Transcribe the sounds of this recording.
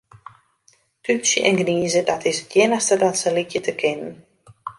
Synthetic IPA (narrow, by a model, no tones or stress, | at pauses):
tysjə̰ʔɛ̰nɡniːzədɔtʰɪsətʰjɪnəxstədɔnsəlicjətʰəkʰɪnən